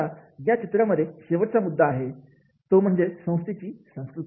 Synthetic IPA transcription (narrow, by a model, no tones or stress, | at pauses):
ajat͡ɕit̪ɾaməd̪ʱjeɕeʋəʈt͡samud̪ʱːaːɦe | t̪om̤əɳd͡zesə̃w̃st̪it͡ɕiːsə̃w̃skɾut̪